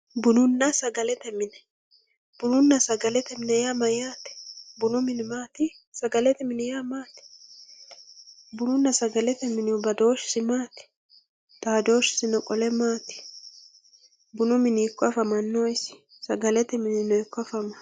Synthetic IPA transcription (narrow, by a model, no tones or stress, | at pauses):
bʊnʊnːɐsɐɡɐlɛt̪ɛmɪnɛ̥ | b̥ʊnʊnːɐsɐɡɐlɛt̪ɛmɪnɛjaːmɐjaːt̪ɛ̥bʊnʊmɪnɪmaːt̪ɪ | sɐɡɐlɛt̪ɛmɪnɛjamaːt̪ɪ̥ | bʊnʊnːɐsɐɡɐlɛt̪ɛmɪnɪwʊbɐd̪o̞ːʃɪ̥sɪmaːt̪ɪ̥ | t̪aːd̪o̞ːʃɪ̥sɪnɔkʼɔlɛmaːt̪ɪ̥ | bʊnʊmɪniːkːɔɐfɐmɐnːoɪsɪ̥ | sɐɡɐlɛt̪ɛmɪnɪnɔkːɔɐfɐmɐ